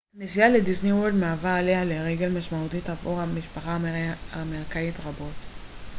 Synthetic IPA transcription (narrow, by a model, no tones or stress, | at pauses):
nesijaledisniwold̪maavaːlehaleʁeɡe̞lmaʃmaut̪itavṵʁamiʃpaχaameʁkaitʁabo̞t